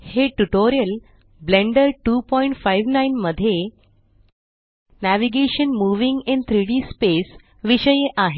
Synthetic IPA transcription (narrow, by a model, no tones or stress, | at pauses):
heʈuʈoɾijəl | bleɳɖəɾʈuːpɔiɳʈfajʋnajnməd̪ʱːje | næʋiɡeɕənmuʋiŋɡent̪ʰɾiɽispes | ʋiɕəjeʔaɦe